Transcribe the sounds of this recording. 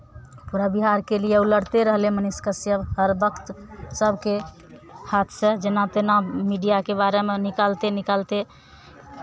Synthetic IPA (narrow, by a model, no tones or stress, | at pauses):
puɾabiɦaɾkelijeuləɽt̪eɾəɦleməniskəsjəbɦəɾbəkʰt̪səbʱke | hat̪ʰsed͡ʒenat̪enamiɖijakebaɾemenikalt̪enikalt̪e